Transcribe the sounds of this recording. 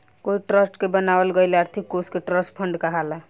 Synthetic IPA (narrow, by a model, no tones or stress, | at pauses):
koiʈɾəsʈkebənabəlɡəjleəɾt̪ʰikːoskeʈɾəsʈpʰəɳɖkəɦalə